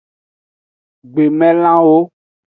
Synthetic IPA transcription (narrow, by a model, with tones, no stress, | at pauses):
ɡ͡be˨mɛ̃˦l̃ã˦wo˦